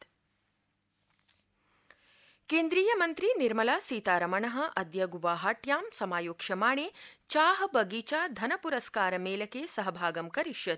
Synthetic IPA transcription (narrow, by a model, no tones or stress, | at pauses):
keːnd̪ɾiːjɐmɐnt̪ɾiniɾmɐlaːsiːt̪aːɾɐmɐɳɐɦɐ̆ʔɐd̪jɐɡuʋaːɦaːʈjaːmsɐmaːjoːkʂɐmaːɳeːt͡ʃaːɦɐ̆bɐɡiːt͡ʃaːd̪ʱɐnɐpuɾɐskaːɾɐmeːlɐkeːsɐɦɐbʱaːɡɐmkɐɾiʃjɐt̪̚